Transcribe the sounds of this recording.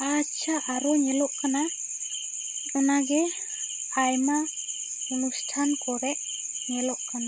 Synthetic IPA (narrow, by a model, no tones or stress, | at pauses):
at͡ʃʰaʔaɾɔɲɛlɔʔkana | ɛnaɡɛ | ajma | unustʰankɔɾɛʔ | ɲɛlɔʔkana